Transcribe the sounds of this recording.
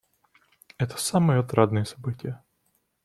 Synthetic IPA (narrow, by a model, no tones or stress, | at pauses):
ɛt̪ə̥samɨjəɐt̪ɾʔad̪nɨjəsɐbɨtʲɪjə